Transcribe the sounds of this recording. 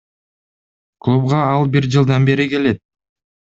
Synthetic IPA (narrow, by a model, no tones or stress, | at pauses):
klˠubʁɑɑlˠbiɾd͡ʒɯlˠd̪ɑnbe̞ɾike̞le̞t̪̚